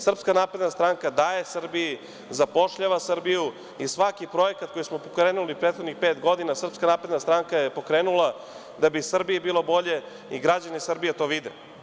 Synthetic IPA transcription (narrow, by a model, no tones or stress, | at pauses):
sr̩pskanaːpɾe̞d̪nast̪ɾaŋkad̪aːjesrɾbiji | zapo̞ʃʎaʋasr̩biju | isʋakipɾo̞jekat̪ko̞jismopokɾeːnulipɾet̪xod̪nixpeːt̪ɡo̞d̪inasr̩pskanaːpɾed̪nast̪ɾaŋkajepo̞kɾeːnulˠa | d̪abisr̩biibiːlo̞bo̞ʎe̞ | iɡɾad͡ʑanisr̩bijet̪o̞ːʋid̪ḛ